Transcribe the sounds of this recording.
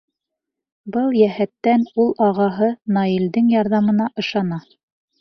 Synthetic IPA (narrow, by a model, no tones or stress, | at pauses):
bɤlˠjæhæt̪ːænulˠʔɑʁɑɦɤnɑild̪ɘŋjɑɾðɑmɤ̆nɑʔɤ̆ʃɑnɑ